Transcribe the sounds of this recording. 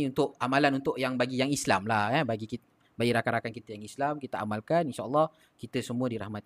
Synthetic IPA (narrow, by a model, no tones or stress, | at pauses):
iunt̪ʊʔamalanunt̪ʊʔjaŋbaɡijaŋislamlahɛbaɡiki | baɡiɾakaɾakankit̪əjaŋislamkit̪aamalkaninʃaːlːɑh | kit̪əsəmũədiɾahmat̪̚